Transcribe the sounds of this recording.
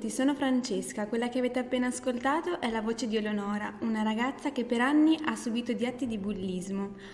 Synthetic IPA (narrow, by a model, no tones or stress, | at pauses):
t̪isoːnofɾant͡ʃeskakwelːak̟eaveːt̪eapːeːnaːskolt̪aːt̪oʔɛlːavoːt͡ʃed̪iolonɔːɾaunaɾaɡat̪sːakepːeɾanːiʔasːubiːt̪od̪iat̪ːid̪ibulːizmo